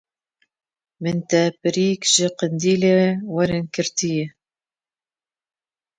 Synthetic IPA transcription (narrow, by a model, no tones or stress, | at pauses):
mɨnt̪ɛpɨɾiːkʒɪqɨnd̪iːlewɛɾɪnkɨɾt̪ʰijɛ